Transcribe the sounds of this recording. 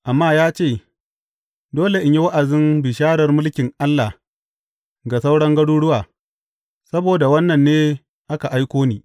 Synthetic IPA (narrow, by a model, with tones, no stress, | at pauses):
ʔa˨mːaː˦jaː˦t͡ʃeː˦˨ | doː˦le˨ʔɪ˨ɲji˦wa˦ʔa˨zɪ˦nbɪ˨ʃaː˦ɽɐ˨rmʊ˦lkʲɪ˨ŋʔa˦lːa˨ | ɡa˨sa˦wɽɐ˦ŋɡɐ˦ɽuː˦ɽʊ˦waː˨ | sɐ˦boː˨da˨wɐ˦nːɐ˨nːeː˦ | ʔa˦ka˨ʔa˦jkʷoː˦niː˦